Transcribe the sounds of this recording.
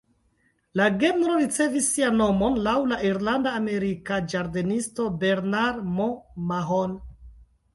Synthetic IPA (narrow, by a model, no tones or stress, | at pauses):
laɡe̞mɾo̞ɾit͡se̞visːianːo̞mo̞nlawlaʔiɾlandaːme̞ɾikad͡ʒaɾdenisto̞be̞ɾnaɾmomaɦon